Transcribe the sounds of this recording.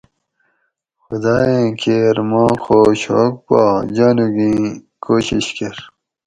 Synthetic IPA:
xud̪aːjẽkʰeɾmɑ̃ːxoːɕo̰ːk̚pa̰d͡ʑaːnuɡĩ | koːɕiɕkeɾ

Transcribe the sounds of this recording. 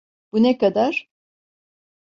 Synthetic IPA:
b̥unɛkad̪aɾ̥

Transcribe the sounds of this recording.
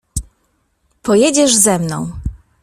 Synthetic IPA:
pɔjɛd͡ʑɛʐzɛmnɔ̃w̃

